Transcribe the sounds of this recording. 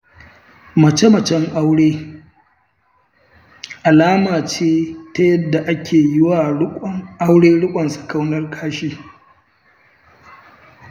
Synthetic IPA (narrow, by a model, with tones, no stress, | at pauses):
mɐ˨t͡ʃe˦mɐ˨t͡ʃɛ˦ŋʔa˦wɽeː˦ | ʔa˨laː˦maː˨t͡ʃeː˦ta˦jɐ˦dːa˨ʔa˦kʲʰeː˨jɪ˦waː˨ɽʔa˦wɽeː˦ɽʊ˦kʷʼɐ˨nsɐ̥˨ka˦wnɐ˦rkʰaː˦ʃiː˦